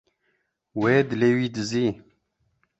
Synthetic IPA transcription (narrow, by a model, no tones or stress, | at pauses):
weːd̪ɨlewiːd̪ɨziː